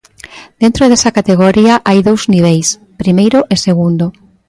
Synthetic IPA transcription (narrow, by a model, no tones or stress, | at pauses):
d̪̥ent̪ɾoðesɐkat̪eɣ̞oɾiaʔajðowzniβ̞ejs | pɾimejɾoʔeseɣund̪o